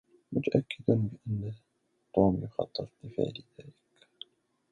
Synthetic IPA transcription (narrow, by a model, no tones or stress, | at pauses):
mʊt̪ʔakːəd̪ʊmbəʔanː | t̪ːuːmjʊxɑ̰t̪ˤːɨɾˤd̪əfɪ̰ʕliðaːlək